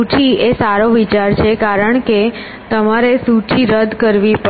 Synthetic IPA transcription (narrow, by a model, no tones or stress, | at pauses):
ut͡ʃʰiesaɾoʋit͡ʃaɾt͡ʃʰekaɾəɳke | t̪əmaɾesut͡ʃiɾəd̪ʱkəɾʋipə